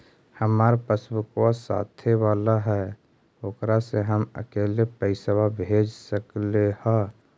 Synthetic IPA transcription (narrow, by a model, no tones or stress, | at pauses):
həmaːɾpəsbukwasa̰ːt̪ʰeʋaːlaɦɛ | okɾaseɦəmə̰keːlepəɪsəwabʱed͡ʒsəklehɛ